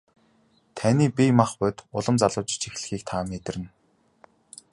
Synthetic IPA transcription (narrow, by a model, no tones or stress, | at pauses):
t̪ʰaniːpimaχpœːt̪ʊɮə̆mt͡saɮə̆wt͡ɕ̆t͡ɕixɮɘ̆xiːkt̪ʰaːmet̪ɘ̆rɘ̆n